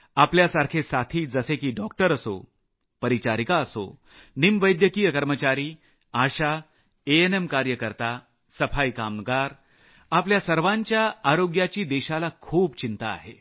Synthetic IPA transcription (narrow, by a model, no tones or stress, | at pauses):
apljasaɾkʰesat̪ʰiːd͡zəsekiːɖɔk̚ʈəɾəso̰ | pəɾit͡ɕaɾikaəso̰ | nimʋəjd̪jəkijəkəɾmət͡ɕaɾiː | aɕa | eenemkaɾjəkəɾt̪a | səfaikamnɡaɾ | apljasəɾʋãɲt͡ɕjaːɾoɡjat͡ɕiːd̪ɛɕalakʰuːbt͡ɕint̪a̰ːɦe